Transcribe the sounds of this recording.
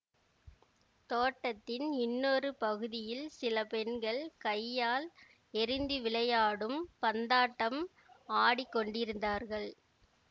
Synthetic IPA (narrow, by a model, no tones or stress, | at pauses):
t̪oːʈːɐt̪ːɪnɪnːɔrɯpɐɣɯðɪjɪlsɪlɐpɛɳɡɐɭkɐɪjːaːl | ɛɾɪnd̪ɯʋɪɭɐjaːɽɯmpɐnd̪aːʈːɐm | aːɽɪkːɔɳɖɪɾɯnd̪aːɾɣɐɭ